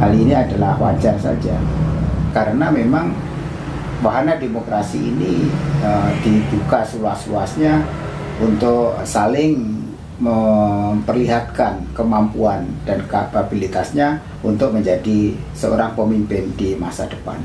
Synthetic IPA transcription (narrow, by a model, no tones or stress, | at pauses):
haliːniadalahwa̰d͡ʒarsa̰d͡ʒa̰ | kaɾənamemaŋ | waɦanademokɾasḭːniədibukasluasluasɲa | ʔunt̪ʊksalɪŋ | məmpərliɦat̪̚kankəmampuand̥anka̰pabilit̪asɲa | unt̪ʊk̚məɲd͡ʒadisəo̰ɾaŋpəmimpɪndimasadəpa̰n